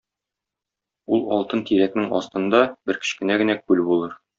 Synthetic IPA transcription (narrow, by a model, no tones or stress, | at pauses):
ulˠɒlˠt̪ɤnt̪iɾæknɘŋɒ̰st̪ɤ̆nd̪ɑbɘɾkɘ̥̆ɕʃkɘ̆næɡɘ̆nækʉlbulˠɤɾ